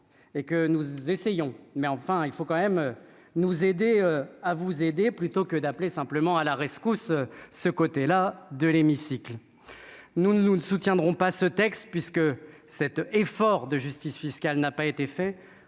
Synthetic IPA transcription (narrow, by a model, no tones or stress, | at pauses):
ekənuzesejɔ̃mɛɑ̃fɛ̃ilfokɑ̃mɛmø | nuzed̪eøavuzed̪eplyt̪okəd̪aplesɛ̃pləmɑ̃alaʁɛskusøsəkot̪elad̪əlemisikl | nunəusut̪jɛ̃d̪ʁɔ̃pasət̪ɛkst̪pɥiskə | sɛt̪efɔʁd̪əʒyst̪isfiskʲalnapaet̪efɛ